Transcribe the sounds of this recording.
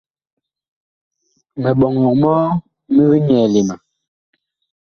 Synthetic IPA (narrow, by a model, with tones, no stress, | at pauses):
mɛ˨ɓɔ˨ŋɔ˨kmɔː˦ | mi˦bi˦ɲɛ˨le˨ma˨